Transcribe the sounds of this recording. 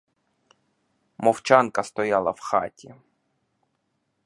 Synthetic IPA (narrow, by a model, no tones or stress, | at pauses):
mɔwt͡ʃankɐst̪ɔjalˠɐfxa̰tʲɪ